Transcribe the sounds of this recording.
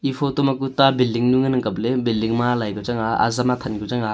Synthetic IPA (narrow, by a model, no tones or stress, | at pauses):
ipʰotɔmakutabildiŋnuŋɐnɯŋkaplebildiŋmalajɡɔzaŋaa̰zamat̪ʰɐnɡuzaŋa